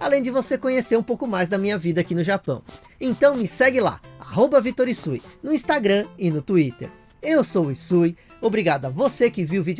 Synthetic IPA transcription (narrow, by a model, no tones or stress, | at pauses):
alẽj̃d͡ʒɪvosekõɲeseɾũpowkʊmajzd̪ɐmĩɲɐvid̪ɐakinʊʒapɐ̰̃w̃ | ẽt̪ɐ̃w̃mɪsɛɡɪla̰a̰ɦobɐvit̪oɾisujnʊĩst̪aɡɾɐ̃ɪnʊt̪uit̪ḛɾ | ewsowɪsuj | obɾiɡad̪ʊɐvosekɪviwvid͡ʒ